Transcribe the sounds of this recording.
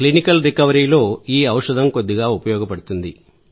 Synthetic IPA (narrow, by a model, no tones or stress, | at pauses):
klinikɐlɾikɐʋɐɾiːlo̞ːiːɐwɐʂɐd̪ʱɐmko̞d̪ːiɡaːupɐjɔːɡɐpɐɽut̪und̪i